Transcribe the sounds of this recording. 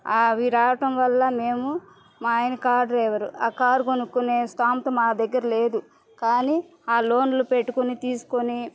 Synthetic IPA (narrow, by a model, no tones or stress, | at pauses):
aːʋiːɾaːʋɐʈɐmʋɐlːɐme̞ːmu | maːjnkaːɾɖɐɾɛʋɐɾuaːkaːɾkonukːuneːsʈaːmt̪ɐmaːd̪ɐɡːɐɾɐleːd̪u | kaːni | aːlo̞ːnlupe̞ʈːukunit̪iːsu̥koni